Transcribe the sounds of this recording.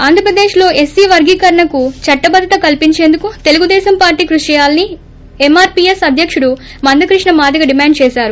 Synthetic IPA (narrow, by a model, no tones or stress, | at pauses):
aːnd̪ɾɐpɾɐd̪eːʃlo̞ːʔesːiːʋɐɾɡiːkɐɾɐɳɐkut͡ʃɐʈːɐbɐd̪ʱːɐt̪ɐkɐlpiɲt͡ʃe̞ːnd̪ukut̪e̞luɡud̪ɛːsɐmpaːɾʈiːkɾuʂɐjaːlɐni | emaːɾpiːesɐd̪ʱjɐkʂuɽu | mɐnd̪ɐkɾiʂɳɐmaːd̪ɐɡɐɖimaːɳɖt͡ʃɛːʃaːɾu